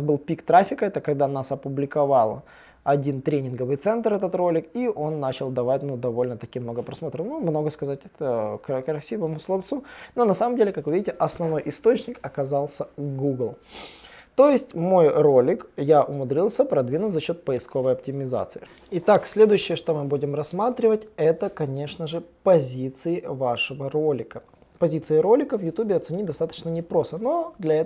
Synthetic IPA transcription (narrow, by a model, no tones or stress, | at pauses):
zbɨlˠpʲikt̪ɾafʲɪkəɛt̪əkɐɡ̚d̪anasɐpʊblʲɪkɐvɑlˠ | ɐdʲint̪ɾʲenʲɪnɡəvɨjt̪sɛnt̪ɾɛt̪ət̪ro̞lʲɪkiʔo̞nːat͡ɕɪlˠd̪ɐvat̚ʲnud̪ɐvo̞lʲnət̪ɐkʲimno̞ɡəpɾɐsmo̞t̪ɾəfnumno̞ɡəskɐzat̚ʲɛt̪əkkɾɐsʲivəmʊslˠɐft̪suno̞nɐsaməmdʲelʲɪkakvɨvʲidʲɪtʲɪʔɐsnɐvno̞jʔɪst̪o̞t͡ɕnʲɪkɐkɐzɑlˠsʲəɡuɡlˠ | t̪o̞jɪsʲtʲmo̞jro̞lʲɪkjaʔʊmʊd̪ɾʲilˠsʲəpɾɐd̪vʲinʊt̪ʲzɐɕːo̞t̪̚pəɪsko̞vəjɐp̚tʲɪmʲɪza̰t̪sɨɪ | ɪt̪aksʲlʲe̞d̪ʊjʉɕːɪjəʂt̪o̞mɨbudʲɪmrɐsmat̪ɾʲɪvətʲɛt̪əkɐnʲe̞ʂnəʐɨpɐzʲit̪sɨɪvaʂɨvəɾolʲɪkə | pɐzʲit̪sɨɪɾo̞lʲɪkəvjʊt̪ubʲɪɐt̪sɨnʲitʲd̪ɐst̪at̪ə̥t͡ɕnənʲɪpɾo̞st̪əno̞d̪lʲɐɛ